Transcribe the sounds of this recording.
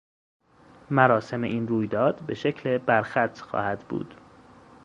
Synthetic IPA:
mæɾɒːse̞me̞ʔiːnruːjd̪ɒːd̪̥be̞ʃe̞cʰle̞bæɾxæt̪ʰxɒ̰ːhæd̪̥bṵːd̪̥

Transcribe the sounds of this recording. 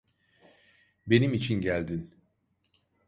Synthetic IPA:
be̞nimit͡ʃʰinɟælʲd̪in

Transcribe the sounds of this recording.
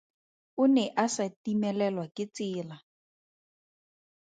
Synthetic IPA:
ʊnɛʔasatimɛlɛlwakɪt͡sɪːla

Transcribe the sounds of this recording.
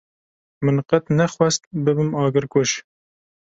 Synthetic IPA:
mɨnqɛt̪nɛxwɛst̪̚bɨbɨmɑːɡɨɾkoʃ

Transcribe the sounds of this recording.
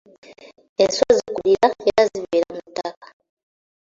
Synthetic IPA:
ensozikuliɾajaaziβeɾamutakḁ

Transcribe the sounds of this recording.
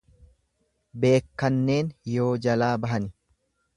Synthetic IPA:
be̞ːkːɐnːe̞ːnjo̞ːd͡ʒɐlaːbɐɦɐnɪ

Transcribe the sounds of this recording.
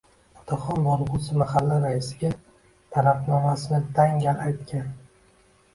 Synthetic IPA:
ɒt̪ʰɑχɒnboɾʁusɪmaχalːɪɾaɪsɪɡʲa | t̪ʰaɾafnɒmasɪnɪt̪ʰaŋɡʲaajt̪kʲʰan

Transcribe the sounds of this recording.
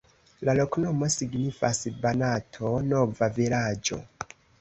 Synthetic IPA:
laloknomo̞siɡnifasbanatʰonovavilad͡ʒo̰

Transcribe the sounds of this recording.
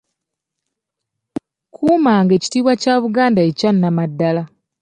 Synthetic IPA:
kʰuːmaŋɡe̞ːci̥tiːβwacaːβuɡaːndaecanːamadːala

